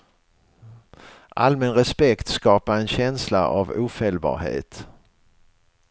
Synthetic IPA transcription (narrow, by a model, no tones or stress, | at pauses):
ʔalmɛnɾɛspɛkt̪skɑːpaɾɛnɕɛnsla̰ʔavuːfɛlbɑ̰ːɾhḛːt̪